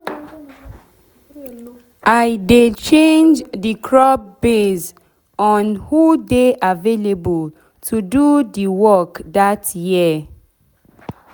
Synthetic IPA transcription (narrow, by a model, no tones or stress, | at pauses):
ʔaɪdet͡ʃẽnd͡ʒdikʰɹɔp̚bes | ɔ̃nhudeʔavelebəl | tʰududiwɔkdatjiə